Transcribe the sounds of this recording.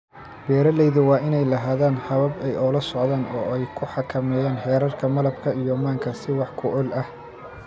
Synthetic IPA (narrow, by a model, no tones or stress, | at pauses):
b̥ɛːɾɐlɛjðʊwɑːʔɪnɛjlɐɦaːðaːnħɐβɐbɛjʔɔːlɐsɔʕðaːnɔ̰ːɛjkʰʊħɑkʰɐmɛːjaːnħɛːɾɐrkʰɐmɐlɐbkʰɐijɔmaːŋkʰɐsɪwɑħkʰʊʕʊlɐh